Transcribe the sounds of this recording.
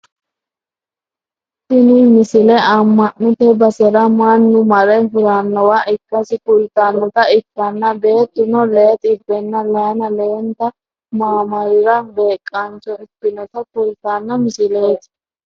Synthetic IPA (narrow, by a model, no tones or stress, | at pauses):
sɪnʊmɪsɪlɛɐmːɐnːʊt̪ɛbɐsɛɾɐmanːʊmɐɾɛɦʊɾanːɐwaʔɪkːɐsɪkʊlt̪aːnːɔt̪ɐɪkːɐnːɐbe̞ːt̪ːʊnɔleːt̪ʼɪbːɛnːɐlɐjnɐlent̪ɐ | maːmɐɾɪɾɐbe̞ːkʼːɐnt͡ʃɔɪpːɪnɔt̪ɐkʊlt̪aːnːɐmɪsɪleːt̪